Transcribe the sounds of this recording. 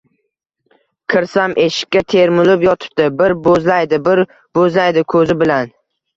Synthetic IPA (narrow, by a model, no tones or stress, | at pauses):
kʰɪɾsamʔeʃɪ̥kʲːat̪ʰe̞ɾmʊlɪpjɒt̪ʰɪ̥p̚t̪ɪbɪɾbozlajd̪ɪbɪɾ | b̥ozlajd̪ɪkʰɵzɪbɪlan